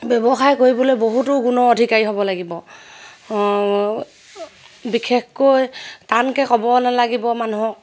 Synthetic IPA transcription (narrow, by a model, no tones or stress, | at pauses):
bjɔbɔxajkoɹibɔlojboɦutʊɡunɔodʱikaɹiɦobɔlaɡibɔ | bikʰekkojtankɛkɔbɔnalaɡibɔmanuɦɔk̚